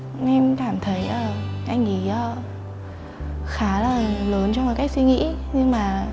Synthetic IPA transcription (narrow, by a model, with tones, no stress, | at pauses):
ʔɛ˧mkaː˧˩mt̪ʰə˨˦jʔaː˧˩ʔa˧jŋ̟ʔi˧˨˦ʔaː˧˦ | xaː˨˦laː˨˩lə˨˩˦ənt͡ɕɔ˧m˨˩t̚kaː˨˦j̚kswi˧ŋḭ˧˥ɲɨ˧ŋmaː˨˩